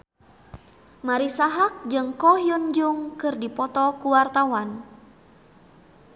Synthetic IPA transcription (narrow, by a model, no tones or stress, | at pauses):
maɾisaɦak̚d͡ʒɨŋkɔɦjɔnd͡ʒuŋkɨrdipɔt̪ɔkuwart̪awan